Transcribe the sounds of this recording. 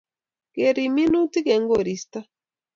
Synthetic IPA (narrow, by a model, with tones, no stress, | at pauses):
ke˨ɾi˨mi˦nu˦ti˦ke˨˦ŋɡo˦˨ɾi˨˦st̪a˦